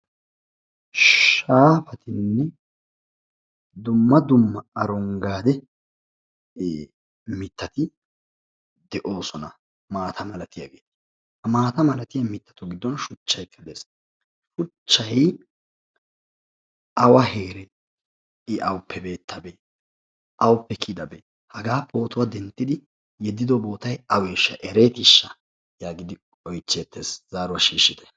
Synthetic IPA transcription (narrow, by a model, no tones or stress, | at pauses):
ʃaːfɐt̪ʰɪnːɛ | d̪ʊmːɐd̪ʊmːɐɐɾɔŋɡaːd̪ɛ | mɪt̪ːɐt̪ɪ | d̪ɛʔo̞ːsɔnɐ | maːt̪ʰɐmɐlɐt̪ɪjɐ̰ɡḛːt̪ɪ̥ | hɐmaːt̪ɐmɐlɐt̪ɪjɐmɪt̪ːɐ̥t̪ʊɡɪd̪ːɔnʃʊt͡ʃːɐjkʰːɐd̪ɛs | ʃʊt͡ʃːɐj | ʔɐwɐhe̞ːɾɛ | ɪʔɐwʊpʰːɛbe̞ːt̪ʰːɐbe | ʔɐwʊpːɛkʰid̪ɐbe | hɐɡaːpʰo̞ːt̪ʊwad̪ɛnt̪ːɪd̪ɪ | jɛd̪ːɪd̪ɔbo̞ːt̪ɐjɐweːʃːɐʔɛɾeːt̪ɪʃːɐ | jaːɡɪd̪ɪ | ɔjt͡ʃːeːt̪ʰːeːszaːɾʊwɐʃiːʃːɪt̪ɛ̥